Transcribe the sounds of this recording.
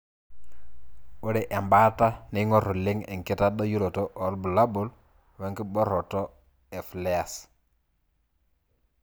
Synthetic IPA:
o˦ɾe˨ʔe˨mba˦ta˦ni˦ŋo˦ɾu˨li˦ŋḛ˨ŋki˦ta˦ɗo˦ju˦lo˨to˦ʔo˨lbu˨la˦bu˦l | we˨˦ŋki˦ɓo˦ɾo˨to˦ | e˨fle˦a˨s

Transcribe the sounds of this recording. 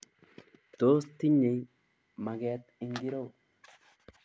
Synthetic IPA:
t̪oː˦st̪i˦ɲːe˨j | ma˨ɡɛ˦t̪ɪ˦ŋɡi˦ɾo˦w

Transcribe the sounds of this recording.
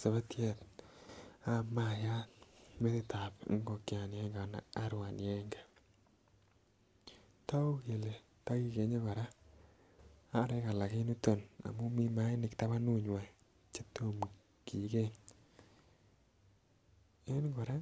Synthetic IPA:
sa˨βa˦tje˦˨t | a˨ma˨ja˦me˦ðɪ˦tʰa˨pŋɡo˨kja˨njɛ˦ŋɡa˨na̰˨a˦ɾwa˨n˨ɛ˦ŋɡa˨ | ta˦o˦ke˨le˨ | ta˦ki˦ke˨ɲe˦βa˨ɾa˦ | a˦ɾe˦ka˨la˨kɪ˦nu˦to˨na̰˨mʊ˦mi˦ma˦ɪ˦nɪ˨kta˦βa˦nu˦ɲwa˨ | t͡ʃe˦to˦m | ki˨ke˦ŋ | e˦nɡɔ˨ɾa˦

